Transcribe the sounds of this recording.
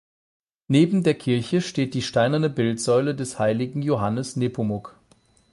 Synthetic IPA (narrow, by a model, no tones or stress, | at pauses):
neːbm̩deːɐkʰɪɐçəʃteːt̚d̥iːʃtaɪnɐnəbɪltz̥ɔʏlədɛshaɪlɪɡŋ̩joɦanəsneːpʰʊmʊk